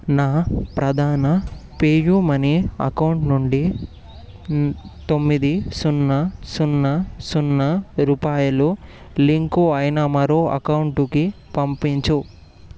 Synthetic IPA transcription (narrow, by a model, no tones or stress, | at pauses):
naːpɾɐd̪ʱaːnɐpeːjumɐniɐ̰kɐwuɳʈnuɳɖi | t̪o̞mːid̪isunːɐsunːɐsunːɐɾuːpaːjɐlu | liŋkuɐjnɐmɐɾoːʔɐ̰kɐwuɳʈukipɐmpiɲt͡ʃu